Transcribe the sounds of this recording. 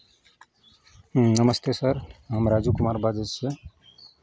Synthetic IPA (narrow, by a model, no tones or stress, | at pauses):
nʌmʌst̪esʌɾɦəmɾad͡zukumaɾbad͡zʌsʰʌ